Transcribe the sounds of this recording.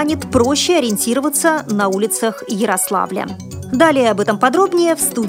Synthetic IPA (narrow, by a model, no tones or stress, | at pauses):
nʲɪt̪pɾoɕːɪɐɾʲɪnʲtʲiɾəvət̪sənɐulʲɪt̪səxjɪɾɐslˠa̰vlʲə̰ | d̪alʲɪjəɐbɛt̪əmpɐd̪ɾo̞bnʲɪjəfst̪u